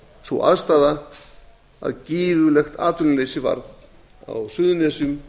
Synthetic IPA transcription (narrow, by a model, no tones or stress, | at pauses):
θvṵʔa̰ðst̪aːða | a̰ðciːvʏlɛxt̪ʰa̰ːt̪ʰʏllejsɪva̰ɾt̪n | a̰wsʏðʏnɛːsʏm